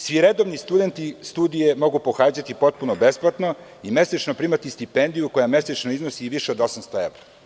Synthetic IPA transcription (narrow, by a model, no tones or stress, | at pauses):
sʋiɾed̪oʋnist̪ud̪e̞nt̪ist̪uːd̪ije̞mo̞ɡupo̞xaːd͡ʑat̪ipo̞t̪̚punobe̞splˠat̪no̞ | ime̞set͡ʃnopɾiːmat̪ist̪ipend̪ijuko̞jame̞set͡ʃnoiznosiʋiʃeod̪o̞samst̪oeʋɾa